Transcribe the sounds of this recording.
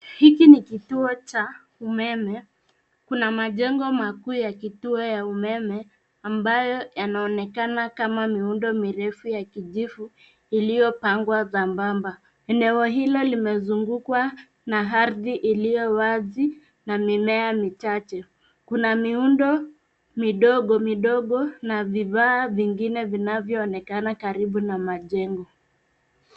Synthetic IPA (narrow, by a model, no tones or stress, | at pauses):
hikinikituɔt͡ʃa | umɛmɛ | kunamaʄɛŋɡɔmakuːjakituɔjaumɛmɛ | ambajɔjanaɔnɛkanakamamiundɔmiɾɛfujakiʄifu | ilijɔpaŋɡwaðambamba | ɛnɛɔɦilɔlimɛzuŋɡukwa | naɦaɾðiʔilijɔwazi | namimɛamit͡ʃat͡ʃɛ | kunamiundɔ | miɗɔɠɔmiɗɔɠɔnaviðaːviŋɡinɛvinavjɔːnɛkanakaɾiɓunamaʄɛŋɡɔ